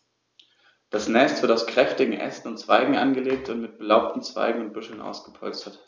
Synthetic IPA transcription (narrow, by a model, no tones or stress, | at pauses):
d̥asnɛstv̥ɪɐtaʊskʁ̥ɛftɪɡŋ̩ʔɛ̰sn̩ʊntt͡sv̥a̰ɪɡŋ̩ʔa̰nɡəleːk̚tʰʊntmɪt̚b̥əlaʊp̚tn̩t͡sv̥a̰ɪɡŋ̩ʊnt̚b̥ʏʃl̩nʔa̰ʊsɡ̥əpʰɔlt͡stɐt